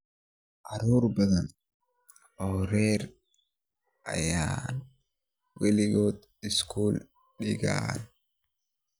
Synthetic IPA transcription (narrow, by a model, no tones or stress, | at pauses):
ʔɐɾoːɾbɐɡɐn | ɔɾeːɾ | ɐ̰jaːn | wɪlɪɡoːt̪ | ɪskuːl | ɗɪɡa̰ːn